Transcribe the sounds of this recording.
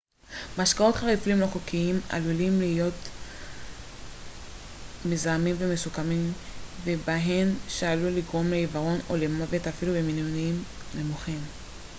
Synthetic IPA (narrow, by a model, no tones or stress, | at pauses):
maʃkao̞t̪χaʁiflimloχokiima̰lulimlihijo̞t | mezamimve̞mesukamimve̞baɦe̞nʃaaluliɡʁo̞mleivaʁo̞nolemavetafilubeminjoniimne̞muχim